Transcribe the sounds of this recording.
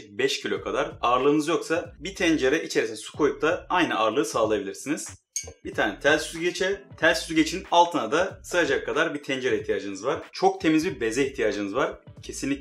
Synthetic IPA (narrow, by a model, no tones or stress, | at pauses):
bɛʃcʰilʲo̞kʰad̪aɾaɾlˠɯːnɯzjo̞ksabit̪ʰɛnd͡ʒeɾɛʔit͡ʃʰe̞ɾisinsu̥kʰo̞jup̚t̪aajnɯʔaɾlˠɯːsaːlˠajabilʲiɾsiniz̥ | bit̪ʰaːnɛt̪ʰælʲsyzɟet͡ʃʰɛt̪ʰælʲsyzɟet͡ʃʰinalˠt̪ʰɯnad̪asɯad͡ʒakʰːad̪aɾbit̪ʰɛnd͡ʒeɾɛiht̪ʰijaːd͡ʒɯnɯzvaɾ̥t͡ʃʰo̞k̚t̪ʰe̞mizbibe̞zɛiçt̪ʰijaːd͡ʒɯnɯzvaɾ̥cʰe̞sinlʲi